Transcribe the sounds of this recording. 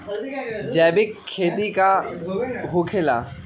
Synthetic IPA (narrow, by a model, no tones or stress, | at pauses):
d͡ʒɛːbɪkʰːeːt̪ika | ɦokʰela̰